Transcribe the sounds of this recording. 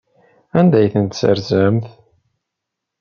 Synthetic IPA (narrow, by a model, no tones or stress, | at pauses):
ænd̪æjθənt̪sə̰ɾzæmθ